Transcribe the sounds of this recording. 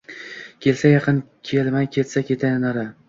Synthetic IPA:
kʲʰe̞lsajɑqʰɨnkʲʰelmajkʲʰe̞t̪sakʲʰe̞t̪ʰanaɾa

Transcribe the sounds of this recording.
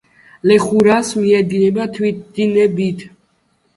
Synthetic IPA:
lɛχuɾasmiɛd̪inɛbat̪ʰwit̪̚d̪inɛbit̪ʰ

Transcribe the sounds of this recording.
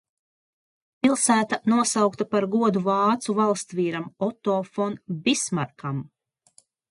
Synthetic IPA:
pʲilˠsæːt̪anuɔsawkt̪apaɾɡuɔd̪uvɑːt̪suvalˠst̪viːɾamɔt̪ɔːfɔnbʲismaɾkam

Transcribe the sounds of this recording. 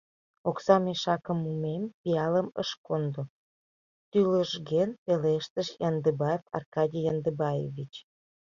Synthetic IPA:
oksɑmeʃɑkəmumempiɑləmə̰ʃkond̪o | t̪yləʒɣenpeleʃt̪əʃjɑnd̪əbɑefɑ̰rkɑdʲijɑnd̪əbɑjḛvʲit͡ɕ

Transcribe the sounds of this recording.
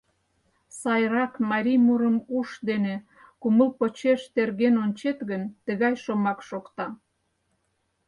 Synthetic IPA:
sɑjrɑkmɑɾʲimuɾəmuʃd̪ene | kuməlpot͡ɕeʃt̪erɣenonʲt͡ɕet̪ɣənt̪əɣɑjʃomɑkʃokt̪ɑ

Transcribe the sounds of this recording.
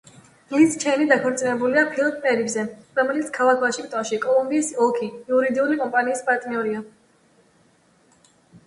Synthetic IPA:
list͡ʃʰɛnid̪akʰɔɾt̪sʼinɛbuliapʰilˠpʼpʼɛɾibzɛɾɔmɛlit̪sʰkʰalakʰvlaʃikʼt̪ʼwaʃikʼɔlˠumbiːsɔlkʰiːuɾid̪iulikʼɔmpʼaniːspʼaɾt̪ʼniɔɾia

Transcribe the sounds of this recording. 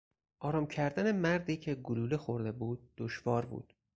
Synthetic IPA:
ʔɒːɾɒːmcʰæɾd̪æne̞mæɾd̪iːcʰe̞ɡoluːlexo̞ɾd̪e̞buːd̪̚ːoʃvɒːɾbṵːd̪̥

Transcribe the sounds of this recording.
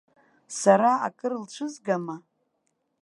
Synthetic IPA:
saɾaa̰kʼɨrlt͡ʃʷʰɨzɡama

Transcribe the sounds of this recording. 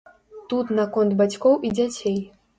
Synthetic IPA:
t̪ut̪nakɔnd̪bat͡sʲkɔwʔid͡zʲat͡sʲej

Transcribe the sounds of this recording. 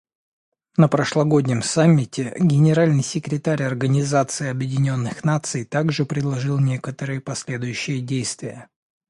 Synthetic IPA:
nəpɾəʂlˠɐɡo̞dʲnʲɪmsamʲːɪtʲʰɪɡʲɪnʲɪɾalʲnɨjsʲɪkɾʲɪt̪aɾʲɐrɡənʲɪzat̪sɨɪɐbjɪdʲɪnʲo̞nːɨxnat̪sɨjt̪aɡʐɨpɾʲɪd̪lˠɐʐɨlˠnʲe̞kət̪əɾɨjəpɐsʲlʲe̞d̪ʊjʉɕːɪjədʲejst̪vʲɪjə

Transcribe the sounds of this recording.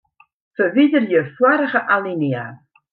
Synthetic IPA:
fəvidəɾjəfwaɾəχəʔalˠinia

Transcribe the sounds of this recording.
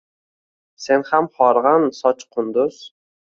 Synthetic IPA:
se̞nhamχɒɾʁɑnsɒt͡ʃqʰʊnd̪ʊz̥

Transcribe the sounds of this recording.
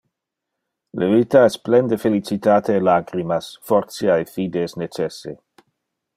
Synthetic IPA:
levit̪aɛsplɛnd̪efelit͡sit̪aːt̪ʰelaɡɾimasfɔɾt̪sjaefiːd̪esnet͡ʃesḛ

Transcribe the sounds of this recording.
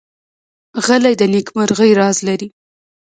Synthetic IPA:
ɣəlajd̪ənekmaɾɣəjɾɑzlaɾi

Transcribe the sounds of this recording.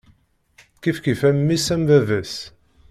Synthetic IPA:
kifkifæmːisæmvævæs

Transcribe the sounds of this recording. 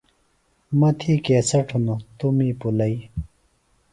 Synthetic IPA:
mɐt̪ʰiːkeːsɐʈʰunut̪umiːpulɐi

